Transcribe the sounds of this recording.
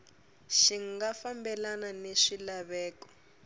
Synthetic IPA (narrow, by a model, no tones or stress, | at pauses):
ʃiŋɡafambɛlananeʂilaβɛːkɔ̥